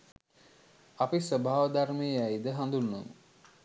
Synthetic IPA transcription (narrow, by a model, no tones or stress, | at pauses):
apisʋəbʱaːʋəd̪armeəæjd̪əɦand̪unːo̰m